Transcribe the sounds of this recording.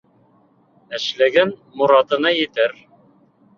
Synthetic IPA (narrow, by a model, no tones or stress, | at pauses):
æ̆ʃlæɡænmuɾɑt̪ɤ̆nɑjɘ̆t̪ɘɾ